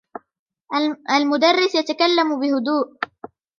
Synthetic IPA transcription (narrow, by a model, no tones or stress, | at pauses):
almʊd̪arˤːɪsjat̪akalːambɪhʊd̪uːʔ